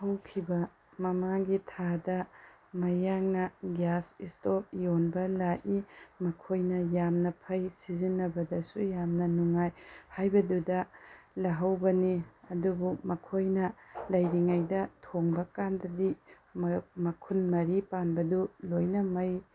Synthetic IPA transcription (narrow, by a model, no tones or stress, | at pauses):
hɐwkʰibɐ | mɐmaɡitʰadɐ | mɐjaŋnɐɡjasistop̚jonbɐlaʔimɐkʰojnɐjamnɐpʰɐjsizinːɐbɐdɐsujamnɐnuŋajhajbɐdudɐlɐɦɐwbɐniɐdubumɐkʰojnɐlɐjɾiŋajdɐtʰoŋbɐkandɐdi | mmɐkʰunmɐɾipanbɐdulojnɐmɐj